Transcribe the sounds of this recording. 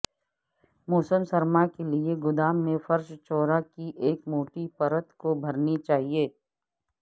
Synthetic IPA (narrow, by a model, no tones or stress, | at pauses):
mɔːsəmsɐɾmakelieɡʊd̪aːmːẽfɐɾʃt͡ʃɔːɾakiʔeːkmoːʈipɐɾət̪kobʱɐɾnit͡ʃaːɦieː